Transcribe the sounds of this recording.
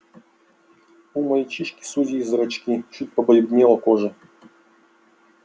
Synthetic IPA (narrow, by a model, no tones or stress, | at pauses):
umɐjit͡ɕiʃkʲi̥suzʲiːzɐɾɐt͡ɕkʲit͡ʃut̚ʲpɐbɐjubd̪ʲmʲelˠɐkoʐɨ